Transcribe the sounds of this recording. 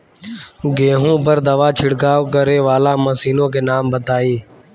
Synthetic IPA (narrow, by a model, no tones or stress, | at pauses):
ɡeːɦõːpəɾd̪əʋaːt͡ʃʰɪɽkaːkəɾeːʋaːlaːməsiːnõːkeːnaːmbət̪aːiː